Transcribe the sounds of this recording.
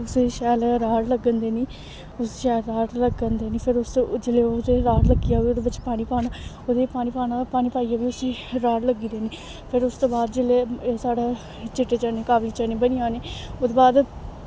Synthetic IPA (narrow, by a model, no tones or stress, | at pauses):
ʊseʃɛːlɾaːɽləɡːənd̪eːniː | ʊsʃɛːlɾaːɽləɡənd̪eːniːpʰɪɾʊst̪od͡ʒeleːod̪eːɾaːɽləɡiːaːoːd̪eːbət͡ʃʃeːpaːɽ̃ĩːpaːnaːoːd̪eːpaːɽ̃iːpaːnapaːɽ̃iːpaːiːaːʋiːʊsiːɾaːɽləɡiːd̪eːniː | pʰɪɾʊst̪õːbaːd̪d͡ʒeleːsaːɽeː | t͡ʃɪʈːeːt͡ʃaneːkaːʋliːt͡ʃənẽːbəniːãːneːod̪eːbaːd̪